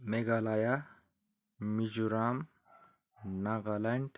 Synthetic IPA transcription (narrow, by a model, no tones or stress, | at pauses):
meɡalaja | mid͡ʒuɾam | naɡalaɳʈ